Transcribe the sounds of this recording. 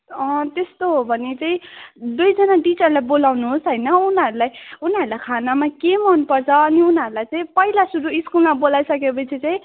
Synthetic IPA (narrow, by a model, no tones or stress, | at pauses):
ʌ̃t̪est̪oɦobʱʌnet͡saĩd̪ujd͡zʌnaɖit͡sʌrlajbolawnuɦosɦʌjnʌunɦʌɾulajunɦʌɾulajkʰanamakemʌnpʌrt͡sʰʌːniunɦʌɾulajt͡saĩpʌilasuɾuiskulmabolajsʌkepʌt͡sʰit͡saĩ